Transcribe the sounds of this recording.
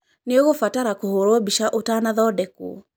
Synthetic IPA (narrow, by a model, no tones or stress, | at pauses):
neoɣofataɾakohoɾoɔbiʃaʔotanaðɔdɛkṵ